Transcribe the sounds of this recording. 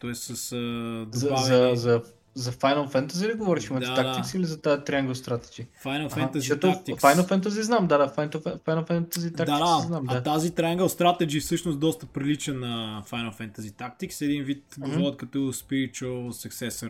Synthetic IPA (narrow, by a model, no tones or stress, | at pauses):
t̪ɔɛst̪sɐsd̪zɐazɐzɐ | zɐfajnəlˠfɛnt̪əzid̪iɡovɔɾiʃimɐt̪aadk̪aiksilizɐt̪at̪ɾʲiaŋɡəst̪ɾat̪ɛ̥d͡ʒifajnɐlˠɐfɛant̪ɐzʃɔt̪ʊkt̪iksfajnəfɛnt̪əziznamd̪ad̪afajnt̪ofɛfajnəlˠfɛnt̪əzit̪akd̪aid̪ak̪iznamdɐat̪azit̪ɾɛaŋɡəst̪ɾat̪ɛd͡ʒifsɤʃnʊsd̪ɔst̪əpɾilit͡ʃənɐfajnɐlˠfɛnt̪ɐzit̪ak̚t̪iksɛd̪invit̪ɡovɔɾɐt̪̚kɐt̪ɔspiɾit͡ʃosɐksɛsɐɾ